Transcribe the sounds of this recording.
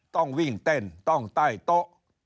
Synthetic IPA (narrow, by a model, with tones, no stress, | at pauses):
t̪ɔ˥˩ŋwi˥˩ŋt̪e˧˩nt̪ɔ˥˩ŋt̪aː˥˩jt̪o˦˥ʔ